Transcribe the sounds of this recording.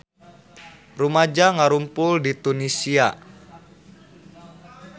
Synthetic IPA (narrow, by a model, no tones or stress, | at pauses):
rumad͡ʒaŋaɾumpʊldit̪unisia